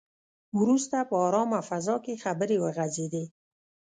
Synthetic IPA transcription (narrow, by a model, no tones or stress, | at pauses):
wɾust̪apəɑɾɔmafazɔkexabəɾewəɣazed̪e